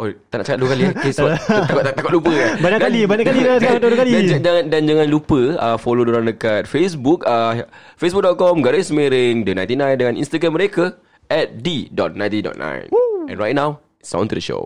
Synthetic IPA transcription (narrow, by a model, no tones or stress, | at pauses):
ʔot̪ana̰ʔt͡ʃakat̪̚duəkaliakesbaakɔat̪ːakɔt̪lupəkabaɲakdkalibaɲaʔkalidaadukalidad͡ʒad͡ʒaŋãndand͡ʒaŋãnlupəəfolodoɾaŋdəkat̪̚fesbuk̚ə | fes̬buk̚dɔt̪̚kɔmɡaɾismeɾɪŋdənãj̃nt̪inãjndəŋãnḭnst̪aɡɾaməɾeka | ʔɛt̪̚didɔ̰t̪̚nãjnt̪idɔ̰t̪̚nã̰jnɛ̰nɹajt̚nãw | sa̰w̃nt̪udəʃo̰